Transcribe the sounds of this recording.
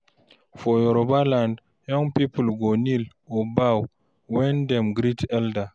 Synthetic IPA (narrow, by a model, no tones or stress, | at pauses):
fɔjɔɾɔbaland | jɔŋpipulɡɔnil | ɔbaw | wɛndɛmɡɾitɛlda